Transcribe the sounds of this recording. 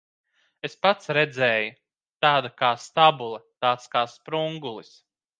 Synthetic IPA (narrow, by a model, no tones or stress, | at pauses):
espat̪sɾed̪zɛːju | t̪aːd̪akaːst̪abulˠɐt̪aːt̪skaːspɾuŋɡulˠis